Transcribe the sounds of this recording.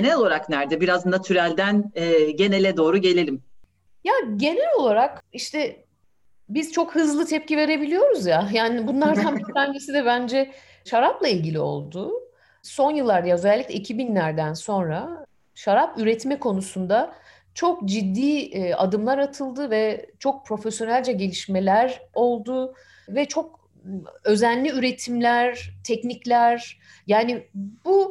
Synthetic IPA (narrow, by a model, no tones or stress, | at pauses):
enɛlolˠaɾaknæɾd̪ɛbiɾazɯnd̪at̪ʰyɾælʲd̪ænɛɟe̞nɛlʲɛd̪o̞ːɾuɟe̞lʲelʲim | jaɟe̞nɛlʲo̞lˠaɾakiʃt̪ʰɛ | biz̥t͡ʃʰo̞khɯzlˠɯt̪ʰɛp̚cʰive̞ɾe̞bilʲijo̞ɾuzjajaːnibunlˠaɾd̪ʰamit̪anɟisid̪ɛbænd͡ʒɛ | ʃaɾaplˠailʲɟilʲio̞̰lˠd̪ʊ | so̞njɯlˠːaɾd̪ajaøzɛlʲːicʲlʲɛicʰibinlʲæɾd̪ænso̞nɾa | ʃaɾapyɾɛt̪mɛkʰo̞nusund̪a | t͡ʃʰo̞kd͡ʒid̪ːiːa̰d̪ɯmlˠaɾat̪ʰɯlˠd̪ɯvɛt͡ʃʰo̞k̚pʰɾo̞fesjo̞nælʲd͡ʒɛɟe̞lʲiʃmelʲæɾo̞lˠd̪u | vɛt͡ʃʰo̞k | ø̞zænːʲiyɾet̪ʰimlʲæɾt̪ʰɛcniclʲæɾ | jaːnibu